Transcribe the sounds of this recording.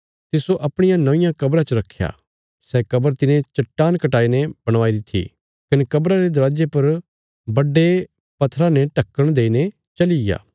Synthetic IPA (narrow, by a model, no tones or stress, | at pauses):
t̪ɪsoʔɐpɽ̃ɪjãnɐʋɪ̃jãkɐbɾat͡ʃəɾɐkʰːja̰ | sɛkɐbəɾt̪ɪnẽt͡ʃɐʈːaːnkɐʈaːinɛb̥ɐɽ̃ʋaːid̪ɪt̪ʰːḭ | kɐnekɐbɾaɾed̪ɾaːd͡ʒepɐɾ | bɐɖːe | pɐt̪ʰːɾãnɛ̃ʈɐkːəɽ̃d̪eːine | t͡ʃɐlɪja̰ː